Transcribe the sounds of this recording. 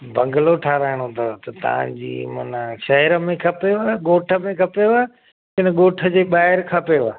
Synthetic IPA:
bʱɐ̃ŋɡəloʈʰaːɾaːɪɽ̃ot̪ɐt̪ɐt̪ɐ̰ʋ̤ã̰d͡ʑḭːmɐ̰nəʃɐɦɪɾəmẽkʰɐpeaːɠoːʈʰə̆mẽkʰɐpeoaː | kɪnəɠoːʈʰə̆d͡ʑeːɓaːɦɪɾkʰɐpeʋaː

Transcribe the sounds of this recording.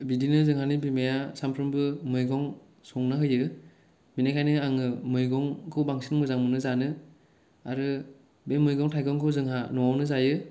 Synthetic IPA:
bidinɯzɯŋhanibimajasampʰɾɯmbɯmɯjɡɔŋ | sɔŋnɯɦɯjɯ | minajkʰajnɯaŋɯmɯjɡɔŋkʰɯwbaŋsʰinmɯzaŋmɯnɯzanɯ | a̰ɾɯ | bemɯjɡɔŋtʰajɡɔŋkʰɯwzɯŋhanɔwawnɯzajɯ

